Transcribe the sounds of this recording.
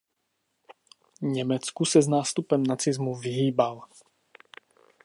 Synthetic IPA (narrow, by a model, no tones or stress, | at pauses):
ɲɛmɛt͡skusɛznaːst̪upɛmnat͡sizmuviɦiːbal